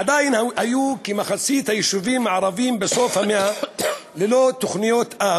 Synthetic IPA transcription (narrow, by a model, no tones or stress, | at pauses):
ad̪ajinhajukemaχasit̪hajiʃuvimːaʕɾˤɑvimbeso̞fhamealelot̪oχnijot̪ʔa